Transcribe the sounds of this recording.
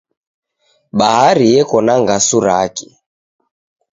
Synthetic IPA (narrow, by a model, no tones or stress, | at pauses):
ɓahaɾijɛkɔnaŋɡasuɾa̰ki̥